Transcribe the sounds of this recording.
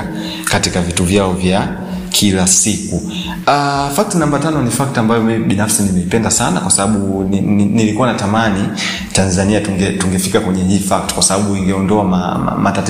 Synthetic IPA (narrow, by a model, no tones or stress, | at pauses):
katikavituvjaɔvja | kʰilasiku | afak̚tinambatanɔnifak̚tambajɔmimiɓinafsinimɛipɛndasana̰kwasaɓaɓunnilikuwanatamani | tanzaniatuŋɡɛtuŋɡɛfikakwɛɲɛɦiːfak̚ti̥kwasaɓaɓuiŋɡɛɔndɔama̰matati